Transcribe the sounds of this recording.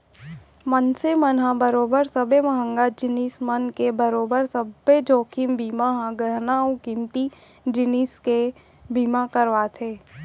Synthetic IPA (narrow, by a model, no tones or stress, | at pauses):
mənsemənɦãbəɾoːbəɾsəbemɐɦə̃ŋɡad͡ʒɪniːsmənkebəɾoːbəɾsəbed͡ʒoːkʰimbiːmaɦãɡɾənaːõkimt̪i | d͡ʒɪniːske | biːmakəɾʋaːt̪ʰeː